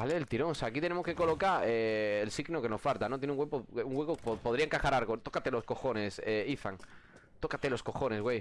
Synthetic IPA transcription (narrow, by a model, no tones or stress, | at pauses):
baleðelt̪iɾo̞ŋoseaːkit̪enemokekolokaeːlsiɣnokenosfalt̪anot̪̬jeneuŋɡwepouŋɡwekopopo̞ð̞ɾiaeŋkaxaɾaɾɣot̪okat̪elo̞sko̞xo̞ne̞seiθa̰ŋ | t̪o̞kat̪elo̞sko̞xo̞ne̞zɣwej